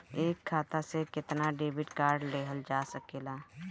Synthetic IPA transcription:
eːkʰːaːt̪asekɪt̪naɖeːbɪʈkaːɾɖleːɦəld͡ʒaːsəkeːlaː

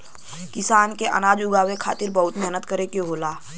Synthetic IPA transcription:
kɪsaːnkeʔə̰naːd͡ʒʊɡaːwekʰaːt̪ɪɾbɐɦʊt̪mɛɦnət̪kəɾekeɦoːlaː

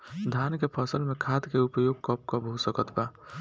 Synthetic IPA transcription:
d̪ʱankepʰɔsəlmekʰad̪keupəjoɡ̚kɔp̚kɔbʱosəkət̪ʰba

